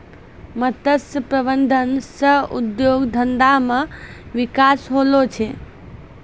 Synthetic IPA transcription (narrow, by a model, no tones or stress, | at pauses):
mət̪əsəpɾəbənd̪ʱənsəṵd̪joɡd̪ʱənd̪ameʋikasɦolot͡ʃʰɛ